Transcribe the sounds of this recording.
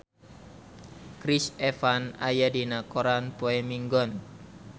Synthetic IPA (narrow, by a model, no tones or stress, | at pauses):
kɾisɛfana̰jadinakoɾanpoɛmiŋɡɔn